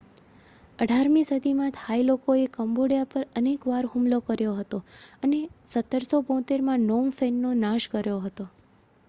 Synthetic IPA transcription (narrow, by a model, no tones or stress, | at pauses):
əɖʱaɾmĩsəd̪ʱimãt̪hailokoekəmboɽijapəɾənekʋaɾɦumlokəɾjoɦət̪oənesət̪ːəɾsobõt̪eɾmãnomfɛnːonãʃkəɾjoɦət̪o